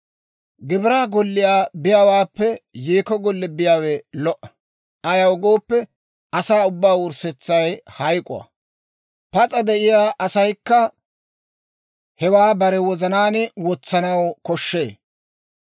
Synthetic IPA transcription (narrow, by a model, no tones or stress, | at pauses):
ɡɪbɾaːɡɔlːɪjaːbɪjawaːpːɛjeːkɔɡɔlːɛbɪjaːwɛlɔʔɐ | ɐjɐwɡo̞ːpːɛ | ɐsaːʊbːaːwʊɾsɛt͡sːɐjhɐjkʼʊ̰ɐ̰ | pɐt͡sʼɐd̪ɛʔɪjaːʔɐsɐjkːɐ | hɛwaːbɐɾɛwɔzɐnaːnɪwɔt͡sːɐnɐwkɔʃːeː